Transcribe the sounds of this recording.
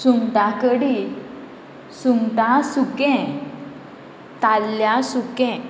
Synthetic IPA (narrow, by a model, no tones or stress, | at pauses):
suŋʈakəɽi | suŋʈasukɛ̃ | t̪alːjasukɛ̃